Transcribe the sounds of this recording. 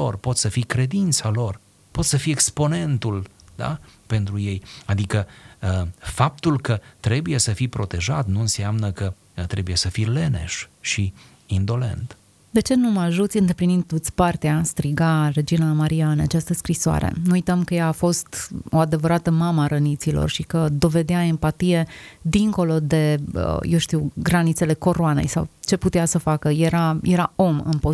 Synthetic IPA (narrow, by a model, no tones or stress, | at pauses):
o̞̰rpo̞t̪səfikɾe̞d̪int̪salo̞r | po̞t̪səfiekspo̞ne̞nt̪ul | d̪a̰pe̞nt̪ɾuje̞jad̪ikə | fap̚t̪ulkət̪ɾe̞buje̞səfipɾo̞t̪e̞ʒat̪nuɨnsiamnəkə | t̪ɾe̞buje̞səfile̞ne̞̰ʃʃi | ind̪o̞le̞̰nt̪ | d̪e̞t͡ʃe̞numaʒut̪sʲɨnd̪e̞plinind̪t̪ot̪sʲpart̪east̪ɾiɡare̞d͡ʒinamaɾiaɨnat͡ʃast̪əskɾisoa̰ɾḛnuujt̪əmkəjaːfo̞st̪o̞ad̪e̞vəɾat̪əmaməaɾənit̪silo̰rʃikəd̪o̞ve̞d̪eae̞mpat̪ije̞d̪iŋko̞lo̞d̪e̞ə̰jewʃt̪iwɡɾanit̪se̞le̞ko̞ɾoane̞̰jsa̰wt͡ʃe̞put̪easəfakəjeɾajeɾao̞mɨ̰npo